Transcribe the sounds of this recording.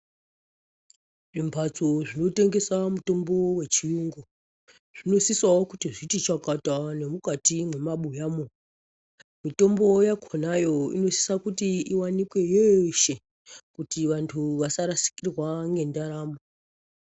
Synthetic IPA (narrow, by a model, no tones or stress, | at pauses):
ʐimbʱat͡soʐino̞te̞ŋɡe̞samuto̞mbo̞we̞t͡ʃijuːŋɡo | ʐ̥ino̞sisaokutiʐitit͡ʃakatane̞mukatimwe̞maɓujaːmo̞ | mito̞mbo̞jakʰonajo̞ḭno̞si̥sakutiiwanikwe̞jeʃe̞ | kutiʋantʰuʋasaɾasi̥kirwaŋɡe̞ndaɾaːmo